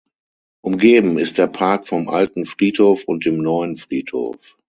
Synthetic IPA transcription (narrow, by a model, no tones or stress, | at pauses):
ʔʊmɡeːbm̩ɪst̚d̥eːɐpʰaɐkfɔmʔa̰ltn̩fʁ̥iːthoːfʊnt̚d̥eːmnɔʏənfʁ̥iːtho̰ːf